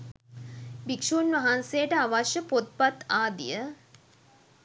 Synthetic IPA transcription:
bikʂunʋɐɦansejəʈəaʋaʃjəpot̪̚pat̪aːd̪ḭjə

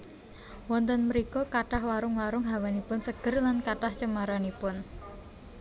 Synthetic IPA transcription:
wɔnt̪ɔnməɾikɔkaʈahwaɾʊŋwaɾʊŋɦawanipʊnsəɡ̥ərlankaʈaht͡ʃəmaɾanipʊn

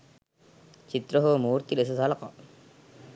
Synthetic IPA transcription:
t͡ʃit̪ɾoɦomuːɾt̪iles̬ɐsalɐqɑ̰

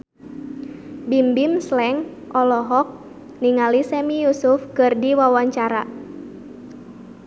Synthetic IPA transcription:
bimbimslɛŋ | ʔɔlɔɦɔk̚ | niŋalisɛmijusufkɨrdiwawaɲt͡ʃaɾa

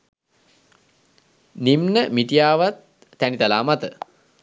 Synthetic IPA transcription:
nimnəmiʈijaːʋat̪̚ː | ænit̪alaːmat̪ə

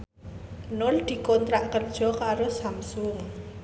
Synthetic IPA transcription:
nʊld̪̥i̤kɔnt̪ɾaʔkərd̥ʒ̥ɔ̤kaɾosamsʊŋ

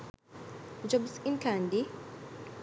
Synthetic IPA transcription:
d͡ʒɔbsinkand̪i

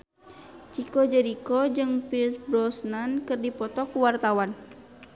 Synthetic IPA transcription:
t͡ʃikɔd͡ʒɛɾikɔd͡ʒɨŋpilsbɾɔsnankɨrdipɔt̪ɔkuwart̪awan

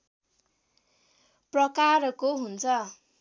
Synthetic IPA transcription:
prʌkarʌkoɦunt͡sʰʌ

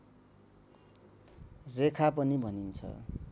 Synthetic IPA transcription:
rekʰapʌnibʱʌnint͡sʰʌ̰

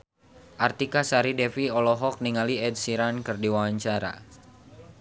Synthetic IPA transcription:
ʔart̪ikasaɾidɛfiɔlɔɦɔk̚niŋaliɛd̚siɾankɨrdiwawaɲt͡ʃaɾa̰

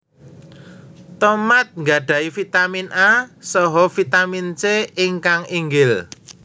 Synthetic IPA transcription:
t̪ɔmat̪̚ŋɡa̤ɖ̥a̤ifit̪aminʔasɔɦɔfit̪amint͡ʃeɪŋkaŋiŋɡɪl

